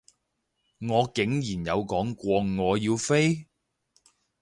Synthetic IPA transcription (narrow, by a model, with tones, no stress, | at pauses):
ŋɔː˨˧kɪ˨˥ŋjiː˨˩njɐ˨˧wkɔː˨˥ŋkʷɔː˧ŋɔː˨˧jiː˧wfe˥j